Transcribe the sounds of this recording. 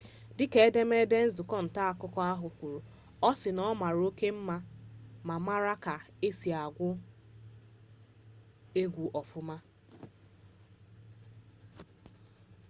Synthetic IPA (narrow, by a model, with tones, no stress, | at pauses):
dɪ˦ke˨˦e˦de˦me˦de˦n̩˦zʊ˨kɔ˦n̩˨ta˦a˨kʊ˦kɔ˦a˦ɦʊ˨kʷu˨ɾu˨ | ɔ˦sɪ˨nɔ˦ma˨ɾo˦ke˦m̩˦ma˦ma˨ma˦ɾa˦ka˨e˦si˨a˨ɡʷʊ˦ | e˦ɡʷu˨ʔɔ˨fʊ˦ma˦